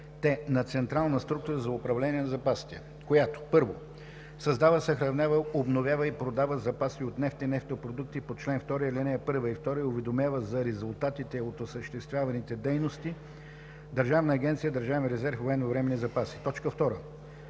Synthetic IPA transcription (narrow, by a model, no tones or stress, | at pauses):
t̪ɛnɐt̪sɛnt̪ɾalˠnəst̪ɾuk̚t̪ʊɾəzɐʊpɾɐvlɛnʲiɛnɐzɐpasi̥t̪ɛ | kojat̪o̥pɤɾvo | sɐzd̪avəsɐxɾɐvnʲavəobnovʲjavəipɾod̪avəzɐpasiot̪nɛft̪ɛnɛft̪opɾod̪uk̚t̪ipot͡ʃlɛnft̪ɔɾijəlɛnɛɛpɤɾvəift̪ɔɾijəʊvɛd̪omjavəzɐɾɛzʊlˠt̪at̪it̪ɛot̪osəʃt̪ɛst̪vʲjavɐnit̪ɛd̪ɛjnost̪i | d̪əɾʒavnəːɡʲɛnt̪sijəd̪ɐɾʒavmiɾɛzɛɾfvoɛnvɐvɾɛmɛnizɐpasi̥t̪ɔt͡ʃkəft̪ɔɾə